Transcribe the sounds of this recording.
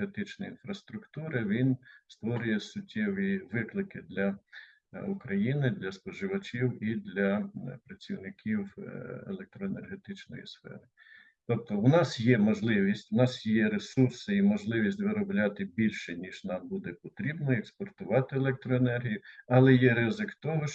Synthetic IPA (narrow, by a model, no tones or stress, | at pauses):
ɦet̪ɪt͡ʃnɔinfɾɐst̪ɾʊkt̪uɾɪʋʲinst̪ʋɔɾʲʊjɛsʊtʲːɛʋiʋɪklˠɪkɪd̪lʲɐ | ukɾɐjinɪd̪lʲɐspɔʒɪʋɐt͡ʃʲiwid̪lʲɐpɾɐt͡sʲiwnɪkʲiwḛlˠek̚t̪ɾɔenḛrɦet̪ɪt͡ʃnɔ̰jḭsfɛ̰ɾɪ | t̪ɔp̚t̪ɔʊnɑsjɛmɔʒlˠɪʋʲisʲtʲʊnɑsjɛɾesursɪimɔʒlˠɪʋʲisʲtʲʋɪɾɔblʲɑt̪ɪbʲilʲʃɛnʲiʒnɑmbud̪ɛpɔt̪ɾʲibnɔekspɔrt̪ʊʋɑt̪ɪelˠɛk̚t̪ɾɔenɛrɦʲijʊɐlˠɛjɛɾɪzɪkt̪ɔɦɔʃ